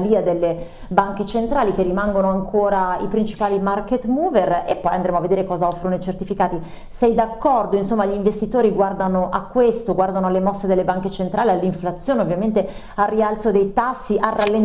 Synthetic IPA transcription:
liːad̪elːe | baŋket͡ʃent̪ɾaːlikerːimaŋɡonoaŋkʰoːɾaipɾint͡ʃi̥paːlimarket̪muːverepːɔjand̪ɾemoaved̪eːɾekɔːzaɔfɾonojt͡ʃert̪ifikaːt̪i | sɛjd̪akːɔrd̪oinsomːaʎiɱvest̪it̪oːɾiɡward̪anoʔakːwest̪oɡward̪anoalːemɔsːed̪elːebaŋket͡ʃent̪ɾʔaːlialːiɱflat̪sːjoːneovːjament̪e | arːialt̪sod̪ejt̪asːiʔarːalːen

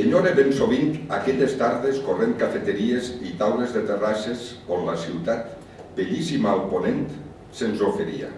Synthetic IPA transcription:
eɲoɾeβensoβint̪a̰kɛʎest̪aɾðeskorent̪̚kafet̪eɾiezit̪awlezðet̪erasesonlasiwt̪at̪ | beʎisimaːlˠponent̪ | senzofeɾia̰

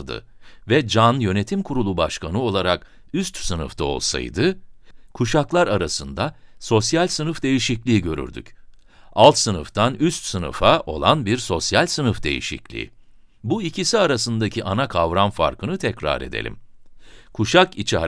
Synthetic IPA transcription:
d̪ɯ̰ | vɛd͡ʒanjø̞ne̞t̪ʰimkʰuɾulˠubaʃkanɯo̞lˠaɾak | yst̪sɯnɯ̰ft̪ʰao̞̰lˠsa̰jd̪ɯkʰuʃaklˠaɾaɾasɯnd̪aso̞sjalʲsɯnɯfd̪e̞jiʃiclʲiːiɟø̞ɾy̰ɾd̪y̰c | alˠt̪sɯnɯ̰ft̪ʰanyst̪sɯnɯ̰faʔo̞̰lˠanbiɾso̞sjalʲsɯnɯfd̪e̞̰jḭʃḭclʲḭːḭ | buicisiaɾasɯnd̪acʰiʔanakʰavɾanfa̰ɾkʰɯnɯt̪ʰɛcɾa̰ɾe̞̰d̪ḛlʲḭm | kʰuʃakit͡ʃʰi

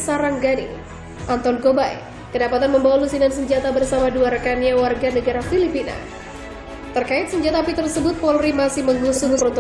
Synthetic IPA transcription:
saɾaŋɡadḭ | ʔant̪ɔnɡobaj̰ | kədapat̪anməmbawalusinans̬əɲd͡ʒat̪abərsamaduaɾkaniawarɡanəɡaɾafilipina̰ | t̪ərkaɪt̪̚səɲd͡ʒat̪apit̪ərsəbʊt̪̚pɔlrimasɪhməŋusʊunt̪

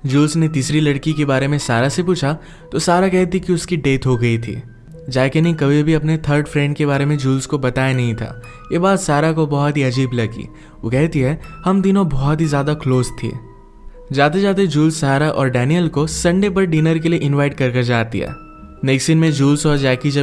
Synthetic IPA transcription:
d͡ʒuːlsnet̪iːsɾilɐɽkikebaːɾemẽsaːɾasepuːt͡ʃʰa | t̪osaːɾakɛɦt̪ikiʊskiɖeːʈ̪ɦoɡɐit̪ʰḭː | d͡ʒaːkenɐɦĩkɐbʱibʱiɐpnet̪ʰəɾɖfɾɛ̃ːɳɖ̚keβaːɾemẽd͡ʒuːlskobɐt̪aːjanɐɦĩt̪ʰa̰ː | jeːbaːd̪saːɾakobɐɦɔt̪ɦiɐd͡ʒiːblɐɡḭ | ʋo̰ːkɛɦt̪iɦɛhɐmt̪̬inõbɔɦːɔt̪ɦizjaːd̪akʰloːzt̪ʰḛː | d͡ʒaːt̪ed͡ʒaːt̪̬ed͡ʒuːlsːaːɾaʔɔ̰ːɾɖɛːnijəlkosɐ̃ɳɖep̬ɐɾɖiːnəɾkelieʔɪ̃nʋaːɪʈ̚kɐɾkɐɾd͡ʒaːt̪ḭɦɛ̰ː | neːksɪnmẽd͡ʒuːlsɔːɾd͡ʒɛːkid͡ʒɐ

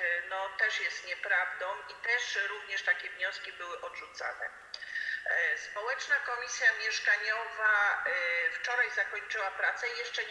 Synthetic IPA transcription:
nɔt̪ɛʂjɛst̪ɲɛpɾavd̪ɔ̃wit̪ɛʂɾuvɲɛʂt̪akʲɛvɲɔ̃skʲibɘwɘʔɔdʐut̪sa̰nɛ̰ | spɔwɛt͡ʂnakɔmʲisʲjamʲjɛʂkaɲɔva | ft͡ʂɔɾajzakɔɲt͡ʂɘwapɾat̪sɛijɛʂt͡ʂɛ

